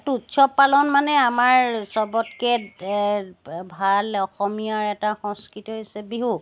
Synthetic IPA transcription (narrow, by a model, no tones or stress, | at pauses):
tutːsɔpːalɔnmanɛamaɹsɔbɔtkɛ | bʱalɔxɔmijaɹɛtaxɔŋskɹitiɦojsɛbiɦu